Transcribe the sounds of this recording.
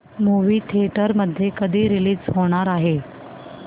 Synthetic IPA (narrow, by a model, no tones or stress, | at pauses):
muʋiːt̪ʰiʈəɾməd̪ʱːjekəd̪ʱiːɾiliːd͡zɦoɽ̃aɾaɦe